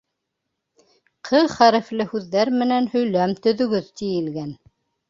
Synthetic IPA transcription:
qʰɤðχæɾɘ̆flɘhʉðːæɾmɘ̆nænhɵ̆jlæmt̪ɵ̆ðɵ̆ɡɵðt̪ijɘ̆lɡæn

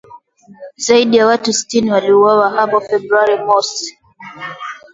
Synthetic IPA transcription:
zaiɗijawatusi̥tiniwaliuwawaɦapɔfɛbɾuaɾimɔs

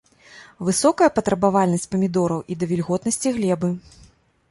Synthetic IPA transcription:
vɨsɔkɐjɐpɐt̪ɾɐbavalʲnɐsʲt͡sʲpɐmʲid̪ɔɾɐwʔid̪ɐvʲilʲɣɔt̪nɐsʲt͡sʲiɣlʲɛbɨ

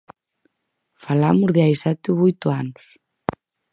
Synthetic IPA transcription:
falamʊzðeajsat̪ɪβojt̪ʊanʊs

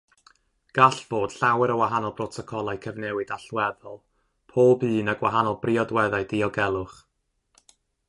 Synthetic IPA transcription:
ɡ̥aɬv̥oːd̥ɬawɛɾəwaɦanɔlˠb̥rɔtʰɔkʰɔlˠajkʰəvnɛwɨdaɬwɛðɔlˠ | pʰoːbɨːnaɡwa̰ɦanɔlˠbriɔdwɛðajdiɔɡɛlˠʊχ

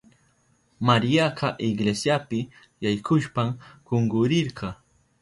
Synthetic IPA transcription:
maɾjaqɑʔɪɡlesjapɪ | jajkʰʊʃpamkoŋɡʊɾɪɾɢɑ

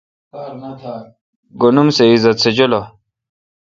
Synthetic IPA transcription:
ɡonumseizɐt̪sed͡ʑolo

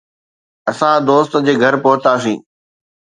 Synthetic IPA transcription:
ɐsãd̪oːst̪d͡ʑeːɡʱɐɾpʊɦʊt̪aːs̬ḭ̃ː

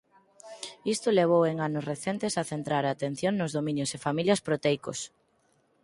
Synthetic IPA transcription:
ist̪ʊleβ̞oweŋanʊsreθent̪esaθent̪ɾaɾaːt̪ẽn̟θjoŋnʊzðomĩnjosefamiljɐspɾot̪ɛjkos

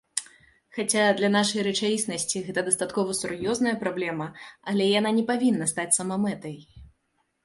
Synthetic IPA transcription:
xat͡sʲad̪lʲɐnaʂɐjɾɛt͡ʂajʲisnɐsʲt͡sʲiɣɛt̪ɐd̪ɐst̪at̪kɔvɐsurjɔznɐjɐpɾablʲɛmɐalʲɛjananʲɛpavʲinːɐst̪at͡sʲsɐmamɛt̪ɐj

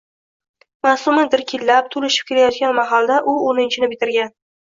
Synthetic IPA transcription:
masʊmɪd̪ɪɾkʲʰelːap̚t̪ʰolɪʃɪp̚kʲʰe̞lajɒt̪ɡʲanmaɦalˠd̪aʔʊonɪnt͡ʃʰɪnɪbɪt̪ʰɪɾɡʲan

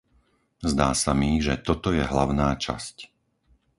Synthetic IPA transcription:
zd̪aːsamiʒɛt̪ɔt̪ɔjɛɦlaʊnaːt͡ʃa̰sc

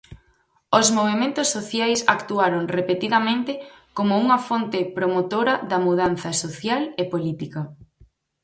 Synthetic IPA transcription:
ozmoβ̞emẽnt̪ʊsːoθjajsakt̪uaɾoŋrepet̪iðɐmẽnt̪ɪkomouŋɐfont̪ɪpɾomot̪oɾɐðɐmuð̞anθɐsoθjalepolit̪ikɐ

